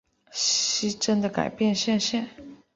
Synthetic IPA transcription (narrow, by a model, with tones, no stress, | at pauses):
ɕi˥ʈ͡ʂə˥nd̪ə˨ka̰˨˩ɪpjɛ˥˧nɕjɛ˥˧nɕjɛ˥˩n